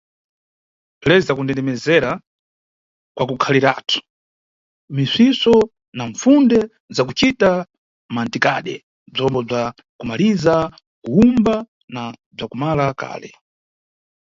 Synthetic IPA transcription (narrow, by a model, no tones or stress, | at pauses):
pʰlɛzakundɛndɛmɛzɛɾa | kwakukʰaliɾa̰tʰu̥ | misisɔ | naɱfundɛ | zakut͡ʃita | mantikaɗɛ | b͡ʐɔmbɔb͡ʐa | kumaliza | kuumba | nab͡ʐakumalaka̰ːlɛ̰